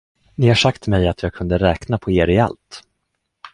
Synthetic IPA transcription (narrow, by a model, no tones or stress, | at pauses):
nɪhaʂakt̪mɛjat̪ʰjɑːɡ̚kʰɵnd̪əɾɛːknapʰɔeːɾɪa̰lt̪